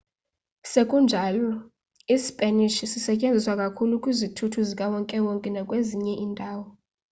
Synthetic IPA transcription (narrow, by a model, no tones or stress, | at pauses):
sekʼund͡ʒʱalɔ | ispʼɛniʃisisɛcʼend͡zʱiswakʼakʰulukʼwizitʰutʰuzikʼawɔŋkʼɛwɔŋkʼɛnakʼweziɲɛʔiːndʱaːwɔ